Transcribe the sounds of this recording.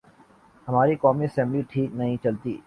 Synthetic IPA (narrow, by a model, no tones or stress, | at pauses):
ɦɐmaːɾikɔːmiɐsɛ̃mbliʈʰiːk̚nɐɦĩt͡ʃɐlt̪ḭː